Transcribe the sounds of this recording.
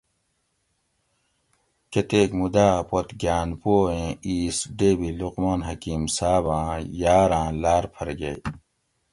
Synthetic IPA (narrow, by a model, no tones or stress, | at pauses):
ket̪eːkmud̪aːpot̪ɡjaːnpoːẽːiːsɖeːbiluqmaːnɦɐkiːmsaːbãːjaːɾãːlaːɾpʰɐɾɡɐ̰j